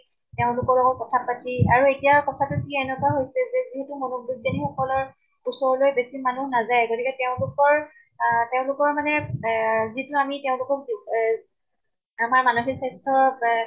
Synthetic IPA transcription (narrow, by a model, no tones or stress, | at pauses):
teʊ̃lʊkɔɹlɔɡɔt̚kɔtʰapatiaɹuetijakɔtʰatʊtʰiɛnɛkwaɦojsɛzɛziɦɛtumɔnoudanixɔkɔlɔɹ | usɔɹɔlojbesimanuhnazajɡotikɛteʊ̃lʊkɔɹ | teʊ̃lʊkɔɹmanɛ | zituamiteʊ̃lʊkɔki | amaɹmanuxisastʰɔ